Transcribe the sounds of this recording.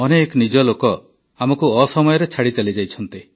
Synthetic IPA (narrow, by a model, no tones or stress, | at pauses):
ɔnekɔnid͡ʒɔlokɔ | amɔkuɔsɔmɔjɔɾet͡ʃʰaɽit͡ʃalid͡ʒajt͡ʃʰɔnt̪i